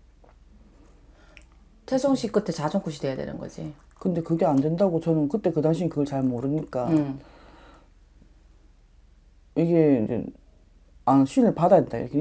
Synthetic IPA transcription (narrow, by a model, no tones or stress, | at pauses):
tʰesʰoŋɕʰik͈ɯtʰet͡ɕad͡ʑʰoŋk͈uɕʰidwe̞jadwe̞̰nɯ̰nɡʌ̰d͡ʑḭkɯnde̞kɯɡe̞andwe̞ndaɡot͡ɕʌnɯnkɯt͈e̞kɯdaŋɕʰiɲikɯɡʌɭt͡ɕaɭmoɾɯɲik͈a | iɡe̞ind͡ʑḛ | aɕʰiinɯɭpadadendaḭɾʌkʰe